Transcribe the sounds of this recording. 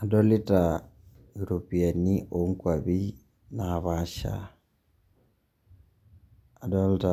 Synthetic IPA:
a˨do˦li˦ta | juɾopi˨a˨niʔoŋkwa˨βi˦ | naβaʃa̰ | a˨do˦lta

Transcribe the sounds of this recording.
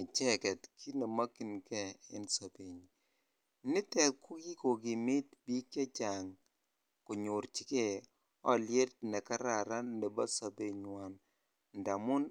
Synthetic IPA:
ɪ˨t͡ʃɛ˦kɛ˨tkʰi˦ne˨ma˦ki˨nkɛ˨ɪ˦nsa˨pe˨ɲ | nɪ˦tɛ˨tkʊ˦ɡi˦ko˨ɡɪ˨mɪ˦tbi˦ka˦t͡ʃa˨ŋ | kʊ˨ɲʊ˨ɾt͡ʃi˦ke˨ | ɔ̰˦lje˦t̚nɛ˨ka˦ɾa˨ɾa˦ne˨ba˦sa˨be˨ɲwa˨n | nda˨mʊ˦n

